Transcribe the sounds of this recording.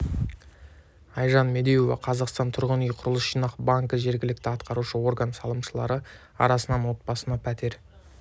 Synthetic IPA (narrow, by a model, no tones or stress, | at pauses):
ɑjʒɑnme̞d̪ejovɑ̰qʰɑzɑqst̪ɑnt̪ʰʊɾʁənʏjqʰʊɾəlˠəsʃijnɑqbɑŋkəʒe̞ɾɡʲɪlɪk̚t̪ɪɑt̪qɑɾuʃəwo̞rɡənsɑlˠəmʃəlˠɑ̰ɾə | ɑ̰ɾɑsənɑnwo̞t̪̚bɑsənɑpʰæt̪e̞ɾ